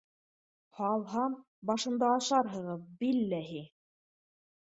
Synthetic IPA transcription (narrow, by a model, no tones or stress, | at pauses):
hɑlˠɦɑm | bɑʃɤ̆nd̪ɑːʃɑɾɦɤ̆ʁɤpbilːæɦi